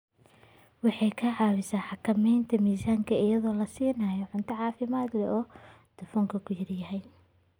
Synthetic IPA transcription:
wɑħɑjkʰɐʕɑːwɪsaːħɑkʰɐmɛjnt̪ʰɐmiːsaːŋkʰɐɪjɐðɔːlɐsiːnaːjɔʕʊnt̪ʰɐʕɑːfɪmaːd̪lɛʔɔː | d̪̥ɐfɔːŋkʰɐkʰʊjɐrjɐɦɛj

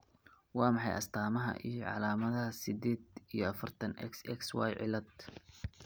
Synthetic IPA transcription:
wɑːmɑħɑjɐ̰st̪ʰaːmɐɦɐ̰ʔijɞʕɑ̰laːmɐðɐɦɐsɪd̪ɛːd̪ijɞɐfɐrt̪ʰɐnɛ̰ksɛkswɑ̰ːjʕɪ̰lɐd̪

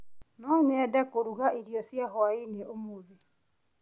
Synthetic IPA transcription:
nɔɲɛdakoɾuɣaʔeɾijɔsjaɦɔaineʔomoði

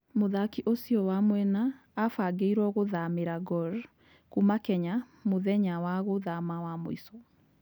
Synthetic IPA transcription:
moðakiʔosiɔwamwɛnaː | faɡeiɾwɔɣoðameɾaɡɔɾ | kumakɛɲa | moðɛɲawaɣoðamawamo̰isɔ

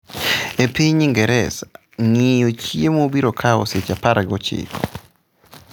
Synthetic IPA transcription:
epiɲiŋɡɛɾɛsa | ŋɪjot͡ʃiemobiɾokʰaɔ̰set͡ʃapaɾaɡɔt͡ʃɪ̰kʰɔ̰

